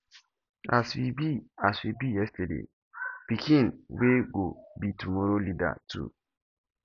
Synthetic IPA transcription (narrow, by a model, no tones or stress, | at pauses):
aswibiaswibijɛstɛdḛ | pikĩnweɡobitumɔɾolida̰tʰṵ